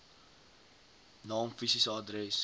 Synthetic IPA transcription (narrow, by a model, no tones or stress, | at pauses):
nɑːmfisisəɑdɾɛs